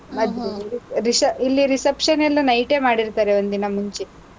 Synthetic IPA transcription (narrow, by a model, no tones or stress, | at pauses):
ɐd̪iɾisɐilːiɾisɐpʂɐnelːunɐjʈe̞ːmaːɽiɾt̪aːɾeʋond̪inɐmuɲt͡ʃe